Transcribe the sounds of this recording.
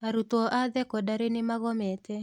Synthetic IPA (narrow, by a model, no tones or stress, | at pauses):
aɾut̪wɔʔad̪ɛkɔdaɾɪnɪmaɣɔmɛt̪ɛ